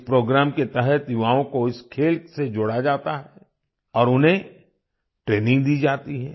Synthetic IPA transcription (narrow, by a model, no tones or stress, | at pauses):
ɪspɾoːɡɾaːmket̪ɛɦɛt̪jʊʋaːõkoɪskʰeːlsed͡ʒʊɽad͡ʒaːt̪aɦɛ | ɔːɾʊnɦẽ | ʈɾeːnɪ̃ŋɡd̪iːd͡ʒaːt̪iɦɛ̰ː